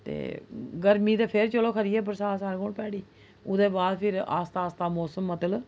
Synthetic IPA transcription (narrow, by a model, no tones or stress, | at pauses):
t̪ḛːɡəɾmiːd̪eːpʰeɾt͡ʃəloːkʰəɾɪjɛːpəɾsaːsaːɾkoːɳpɛːɽiː | ʊd̪eːbaːd̪pʰɪɾa̰ːst̪aːst̪aːmɔːsəmːət̪əl